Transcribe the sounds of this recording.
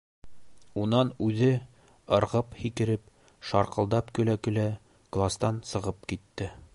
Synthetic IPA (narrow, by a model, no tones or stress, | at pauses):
unɑnʉðɘ | ɤ̆ɾʁɤphikɘ̆ɾɘp | ʃɑɾqɤ̆lˠd̪ɑpkɵ̆lækɵ̆læ | ɡ̥lˠast̪ɑnsɤ̆ʁɤp̚kit̪ːɘ